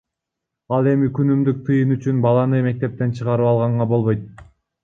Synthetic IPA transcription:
ɑlˠe̞mikynymd̪yk̚t̪ʰɯjɯnyt͡ʃynbɑlˠɑnɯme̞k̚t̪e̞p̚t̪e̞nt͡ʃʰɯʁɑɾɯpɑlˠʁɑɴʁɑbo̞lˠβo̞jt̪̚

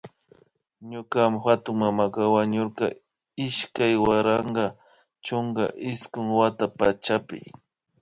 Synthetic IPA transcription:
ɲʊkamxat̪ʊŋmamakɑwaɲoɾkɑ̰ | ɪʃkajwaɾɑɴɢɑ | t͡ʃoŋɡa̰ʔɪskʊŋwat̪apat͡ʃapɪ̰

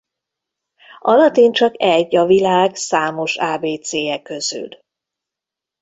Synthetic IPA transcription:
ɒlɒt̪iːnt͡ʃɒkɛɟːɒvilaːɡsaːmo̞ʃaːbeːt̪seːɛkːøz̥y̰l

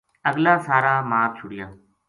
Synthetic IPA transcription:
əɡlaːsaːɾaːmaːp̚t͡ʃʰʊɽɪjaː

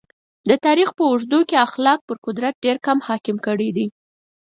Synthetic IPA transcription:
d̪ət̪ɑɾixpəʊʐd̪ukeaxlɑk̚pəɾkʊd̪ɾat̪̚ɖeɾkamhɑkɪmkəɽid̪i

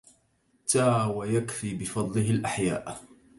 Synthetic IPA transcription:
t̪aːwajakfiːbɪfɑd̪ˤlɪɦɪlʔaħja̰ːʔ

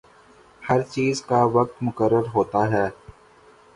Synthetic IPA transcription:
hɐɾt͡ʃiːzkaʋɐk̚t̪mʊkəɾːəɾɦoːt̪aɦɛː

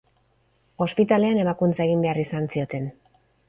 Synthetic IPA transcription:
o̞spit̪ale̞ane̞makunt͡sae̞ɣ̞imbe̞arisansio̞t̪e̞n

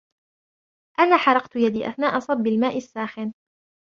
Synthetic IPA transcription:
ʔanaːħɑɾˤɑqt̪jad̪iːʔa̰θnaːʔasˤɑbːɪlmaːʔɪsːaːxɪn

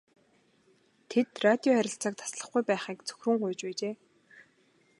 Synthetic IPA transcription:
t̪ʰet̪rat̪ʲiɔχæɾʲɪ̆ɬt͡saːk̚t̪ʰḁsɮə̆χɡujpæːχiːkt͡sʰɵ̥xʲrɵ̆ŋɢʊjt͡ɕpæːt͡ɕeː

